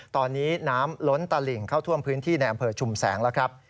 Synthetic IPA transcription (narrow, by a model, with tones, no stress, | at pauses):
t̪ɔː˧nːiː˦˥naː˦˥mlo˦˥nt̪a˧li˨˩ŋkʰaː˥˩wt̪ʰu˥˩əmpʰɯː˦˥nt̪ʰiː˥˩na˧jʔa˧mpʰɤː˧t͡ɕʰu˨˩msɛː˩˦ŋlɛː˦˥wkʰɾa˦˥p̚